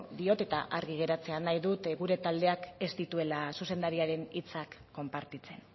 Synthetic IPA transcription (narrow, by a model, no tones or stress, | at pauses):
d̪io̞t̪e̞t̪aʔaɾɣiɣ̞e̞ɾat͡se̞anajðut̪ɣuɾe̞t̪ald̪e̞ake̞st̪it̪ue̞lasuse̞nd̪aɾiaɾe̞nit͡sakːo̞mpaɾt̪it͡se̞n